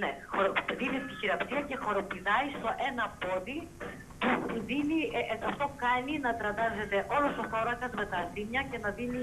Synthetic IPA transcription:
nexoɾoðinit̪içiɾɐpsiɐce̞xo̞ɾo̞piðɐist̪o̞ʔe̞nɐpo̞ði | puðiniɐft̪o̞kɐninɐt̪ɾɐt̪ɐze̞t̪e̞ʔo̞losoθo̞ɾɐkɐzme̞t̪ɐθimɲɐce̞nɐðini

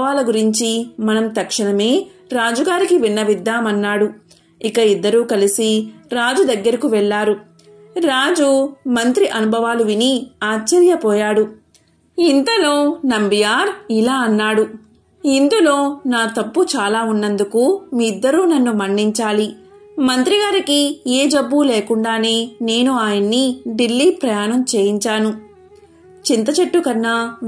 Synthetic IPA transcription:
aːlɐɡuɾiɲt͡ʃimɐnɐmt̪ɐkʂɐɳɐme̞ː | ɾaːd͡ʒuɡaːɾikiʋinːɐʋid̪ːaːmɐnːaːɽu | ikɐid̪ːɐɾuːkɐlisiɾaːd͡ʒud̪ɐɡːɐɾikuʋɛɭːaːɾu | ɾaːd͡ʒumɐnt̪ɾiʔɐnubʱɐʋaːluʋiniaːt͡ʃːɐɾjɐpɔːjaːɽu | int̪ɐlo̞ːnɐmbijaːɾilaːɐnːaːɽu | ind̪ulo̞ːnaːt̪ɐpːut͡ʃaːlaːunːɐnd̪ukumiid̪ːɐɾuːnɐnːumɐɳɖiɲt͡ʃaːli | mɐnt̪ɾiɡaːɾikieːd͡ʒɐbːuleːkuɳɖaːneːne̞ːnuaːjɐnːiɖilːiːpɾɐjaːnɐmt͡ʃe̞ːjiɲt͡ʃaːnu | t͡ʃint̪ɐt͡ʃeʈːukɐnːɐ

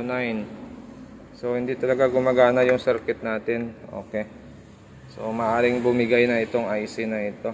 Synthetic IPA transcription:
najn | so̞hɪnd̪it̪ɐlɐɡaɡʊmaɡaːnɐjʊŋsɛɾkɛt̪̚naːt̪ɪnʔo̞̰ːkɛ | so̞mɐʔaːɾɪŋbʊmɪɡajnɐʔɪt̪o̞ŋʔajsɪnɐʔɪt̪o̞

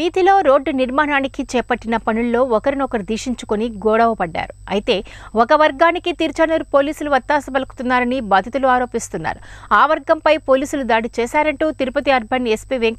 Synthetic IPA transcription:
iːt̪ilo̞ːɾo̞ːɖːniɾmaːnaːnikit͡ʃɛːpɐʈːinɐpɐnulːo̞ːɔkɐɾinɔkɐɾid̪iːʂiɲt͡ʃukoniɡɔːɽɐʋɐpɐɖːa̰ːɾuɐjit̪e̞ː | ɔkɐʋɐɾɡaːnikit̪iɾt͡ʃɐnɐɾpo̞ːliːsuluʋɐt̪ːaːsɐbɐlɐku̥t̪unːaːɾɐnibaːd̪ʱɐt̪uluaːɾo̞ːpist̪unːa̰ːɾuaːʋɐɾɡɐmpɐjpo̞ːliːsulud̪aːɽit͡ʃɛːsaːɾɐɳʈuːt̪iɾupɐt̪iɐɾbʱɐnespiʋeŋk

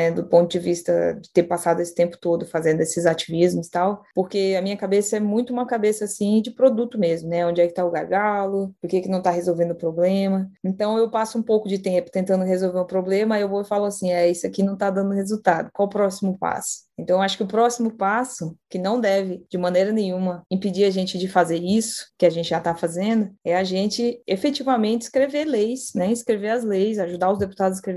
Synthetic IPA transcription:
ɛd̪ʊpõt̪ʊd͡ʒɪvist̪ɐ̰d͡ʒɪt̪eɾpasad̪ʊesɪ̥t̪ẽmpʊ̥t̪od̪ʊfazẽnd̪ʊesɪzat͡ʃivizmʊst̪awpoɾkeamĩɲɐkabesɐɛmũj̃t̪ʊũmɐkabesɐasĩd͡ʒɪpɾod̪ut̪ʊmezmʊnɛõd͡ʒɪɛkɪ̥t̪aʊɡaɾɡalʊppoɾkekɪnɐ̃w̃t̪aɦezowvẽnd̪ʊpɾoblẽmɐẽnt̪ɐ̃w̃ewpasʊũpowkʊd͡ʒɪt̪ẽpʊt̪ẽnt̪ɐ̃nd̪ʊɦezowveɾʊpɾoblẽmɐewvofalʊasĩɛisʊakinɐ̃w̃t̪ad̪ɐ̃nd̪ʊhezut̪ad̪ʊkwawpɾɔsimʊpa̰sʊ̥ẽnt̪ɐ̃w̃ewaʃʊ̥kɪʊpɾɔsimʊpasʊkɪnɐ̃w̃d̪ɛvɪd͡ʒɪmɐ̃nejɾɐnẽɲ̃ũmɐĩpid͡ʒiɾaʒẽnt͡ʃɪd͡ʒɪfazeɾisʊ̥kɪaʒẽnt͡ʃɪʒat̪afazẽnd̪ʊɛaʒẽnt͡ʃɪefet͡ʃivɐmẽt͡ʃɪ̥skɾevelejsnɛĩskɾeveɾɐzlejsaʒud̪aɐʊwzd̪epu̥t̪ad̪ʊzaskɾev

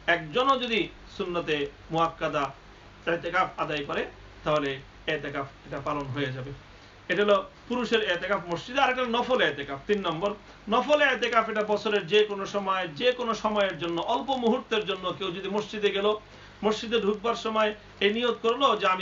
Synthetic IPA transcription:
ɛkd͡ʑonod͡ʑod̪i | sunːat̪e | muakːad̪a | ɛt̪ekafʰad̪ajkɔɾe | t̪aɦole | ɛt̪ekafʰeʈapalonɦojed͡ʑabe | eʈaɦolopuɾuʃeɾɛt̪ekafmoʃt͡ɕid̪eaɾɛkʈanɔfolɛt̪ekaft̪inːɔmboɾ | nɔfolɛt̪ekafɛʈabɔt͡ɕʰoɾeɾd͡ʑekonoʃɔmɔed͡ʑekonoʃɔmɔeeɾd͡ʑonːoʔɔlpomuɦuɾt̪eɾd͡ʑonːokewd͡ʑod̪imoʃt͡ɕid̪eɡɛlo | moʃd͡ʑid̪eɖʱuk̚baɾʃɔmɔe | ejnijod̪̚koɾlod͡ʑeami

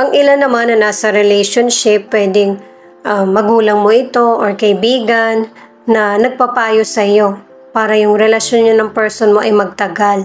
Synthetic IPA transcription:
ʔɐŋʔɪlanːɐmanːɐnaːsɐɾɛlɛjʃonʃɪpːwɛːd̪ɪŋ | ʔamːɐɡuːlɐŋmo̞ʔɪt̪o̞ʔoɹkɐʔɪbiːɡɐnː | ɐnɐɡ̚pɐpaːjosɐjo̞ | paːɾɐjʊŋɾɛlɐʃjonɲanɐŋpɛɹsonmoʔɐjmɐɡ̚t̪ɐɡal

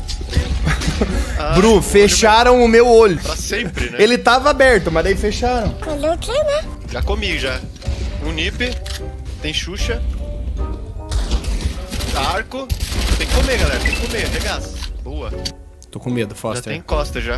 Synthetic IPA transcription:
abɾufeʃʃaɾɐ̃w̃ʊmewoʎʊpɾasẽpɾɪnɛelɪt̪avɐabɛɾt̪ʊmɐzd̪aifeʃaɾɐ̃w̃ɔʎɐʊkenɛ | ʒ̥akomiʊʒa | ũnipɪt̪ẽj̃ʃuʃɐ | aɾkʊt̪ẽj̃kɪkomeɡalɛɾɐt̪ẽj̃kɪkomeɐɦeɡasboɐ | t̪okõmed̪ʊfɔsat̪ẽj̃kɔst̪ɐʒa

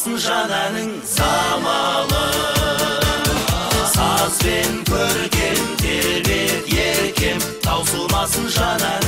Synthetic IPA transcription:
sənʒɑnænɪŋ | zɑmɑlə | sɑzbe̞ŋkʲʰɵɾɡʲe̞nmd̪eɾbet̪jeɾkʲe̞mt̪ʰɑwsəlˠmɑsənʒɑnæ

